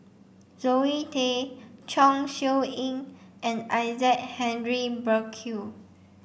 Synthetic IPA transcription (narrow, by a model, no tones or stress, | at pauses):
zoitʰet͡ʃʰɔ̃ŋʃoĩŋɛ̃nʔaɪzɛt̚hɛ̃nɹibɹəkʰju